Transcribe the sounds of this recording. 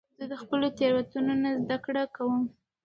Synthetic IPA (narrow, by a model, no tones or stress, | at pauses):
zəd̪əxpəlot̪eɾwat̪unonazd̪akɽakawəm